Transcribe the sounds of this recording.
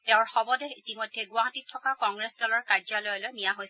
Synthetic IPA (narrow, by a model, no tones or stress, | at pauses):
tɛʊ̃ɹxɔbɔdɛitimɔjdʱːɛɡʊaɦatitʰːɔkakɔŋɡɹesdɔlɔɹkaɹzɔlɔjɔlojnijaɦojs